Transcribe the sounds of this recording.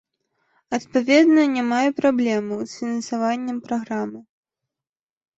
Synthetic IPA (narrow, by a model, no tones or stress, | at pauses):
ɐt̪pavʲɛd̪nɐnʲamajɛpɾablʲɛmɨsfʲinɐnsavanʲːɛmpɾaɣɾamɨ